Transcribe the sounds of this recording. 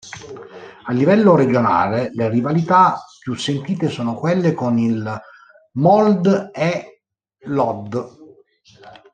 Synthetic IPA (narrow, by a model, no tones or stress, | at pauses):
alːivɛlːoɾed͡ʒona̰ːlelerivalit̪apːjusːent̪iːt̪esoːnokwelːekonil | mɔld̪e | lɔd̪